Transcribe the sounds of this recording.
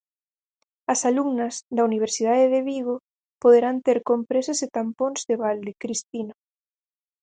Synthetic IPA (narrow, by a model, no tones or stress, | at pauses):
ɐsaluŋnɐzðɐuniβ̞eɾsiðaðeðeβiɣo | poðeɾant̪eɾkompɾesaset̪ampõnzðeβald̪ekɾist̪ino